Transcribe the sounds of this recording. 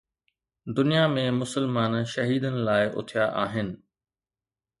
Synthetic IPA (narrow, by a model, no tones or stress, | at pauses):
d̪ʊnijamẽmʊsəlmaːnʃɐɦiːd̪ənɪ̆laːɪʔʊ̰t̪ʰijaʔaːɦɪnɪ̆